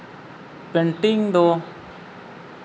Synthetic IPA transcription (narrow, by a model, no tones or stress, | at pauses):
peɳʈɪŋd̪oː